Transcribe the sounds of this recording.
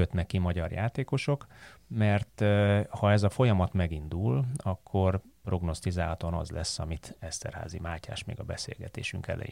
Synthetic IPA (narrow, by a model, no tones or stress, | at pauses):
øt̪nɛkːimɒɟɒrja̰ːt̪eːko̞ʃo̞kmɛrt̪hɒɛzɒfo̞jɒmɒt̪mɛɡind̪ulɒkʰːo̞rpro̞ɡno̞st̪izaːlɒt̪onɒ̰zlɛsːɒmit̪ɛst̪ɛ̰rha̰ːzimaːca̰ːʃmeːɡɒbɛsḛːlɡɛt̪ḛːʃyŋkɛ̰lʔɛ̰ji